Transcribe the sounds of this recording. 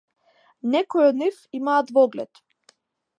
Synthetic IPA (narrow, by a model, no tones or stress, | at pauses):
nɛkɔjɔd̪nifimaːt̪vɔɡlɛ̰t̪